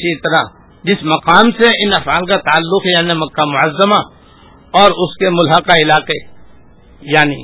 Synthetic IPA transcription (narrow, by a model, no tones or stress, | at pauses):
sit̪ɐɾa | d͡ʒɪsmɐqaːmseɪnɐfaːlkat̪aːlːʊkɦɛjaːnimɐkːamʊʕəzːəma | ɔːɾʊskemʊlɦəkaɪlaːqe | jaːnḭː